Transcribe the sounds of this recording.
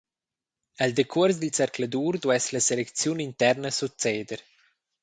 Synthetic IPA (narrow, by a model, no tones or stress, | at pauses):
ɛld̪ekʰuəɾs̬d̪ilt͡sɛɾklad̪uːɾd̪wɛslaselekt͡sjunint̪ɛɾnəsut͡seːd̪əɾ